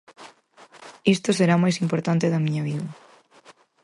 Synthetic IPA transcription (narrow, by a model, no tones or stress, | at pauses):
ist̪oseɾamajsimpoɾt̪ant̪eðɐmĩɲɐβiðɐ